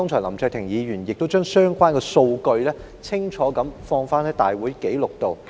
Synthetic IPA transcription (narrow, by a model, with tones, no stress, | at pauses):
ɔː˥ŋt͡ʃʰœː˨˩lɐ˨˩mt͡sœː˧k̚t̪ʰɪ˨˩ŋjiː˨˧ɥyː˨˩njɪ˨k̚t̪o˥wt͡ʃœː˥ŋsœː˥ŋkwaː˥nkɔː˧so˧wkɵ˧ɥlɛː˥ | t͡sʰɪ˥ŋt͡ʃʰɔː˨˥kɐ˨˥mfɔː˧ŋfaː˥nhɐ˨˥jt̪a̰ː˨jwuː˨˥jke˨˥jlʊ˨k̚t̪o˨w